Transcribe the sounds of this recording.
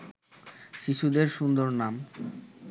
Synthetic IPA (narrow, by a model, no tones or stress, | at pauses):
ʃiʃud̪eɾʃund̪oɾnam